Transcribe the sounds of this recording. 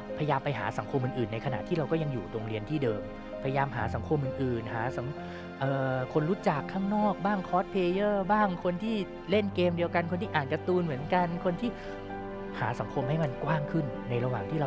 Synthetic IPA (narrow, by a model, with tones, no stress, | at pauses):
pʰa˧ja˧jaː˧mpa˧jɦa̰ː˩˦sa˩˦ŋkʰo˧mʔɯː˨˩ʔɯː˨˩nːa˧jkʰa˧na˨˩t̪ʰiː˥˩ɾa˧wkɔ˥˩ja˧ŋjuː˨˩do˧ŋɾi˧ənt̪ʰiː˥˩dɤː˧m | pʰa˧ja˧jaː˧mɦaː˩˦sa˩˦ŋkʰo˧mʔɯː˨˩nʔɯː˨˩nɦaː˩˦sa˩˦ŋ | ʔɤː˨˩kʰo˧nɾu˦˥t͡ɕa˨˩kʰːaː˥˩ŋnɔː˥˩k̚baː˥˩ŋkʰɔː˦˥t̪̚pʰeː˧jɤː˥˩baː˥˩ŋkʰo˧nt̪ʰiː˥˩ | le˥˩nkeː˧mdi˧əwka˧nkʰo˧nt̪ʰi˥ʔaː˨˩t̪̚ka˧t̪uː˧nmɯ˩˦ənka˧nkʰo˧nt̪ʰiː˥˩ | haː˩˦sa˩˦ŋkʰo˧mɦa˥˩jma˧nkwaː˥˩ŋkʰɯ˥˩nːa˧jɾa˧waː˨˩ŋt̪ʰiː˥˩ɾa˧